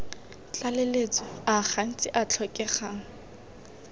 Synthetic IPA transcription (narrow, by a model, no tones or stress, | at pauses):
t͡ɬʼalelet͡sʼɔaχan̩t͡sʼɪʔat͡ɬʰɔkʼɛχaːŋ̩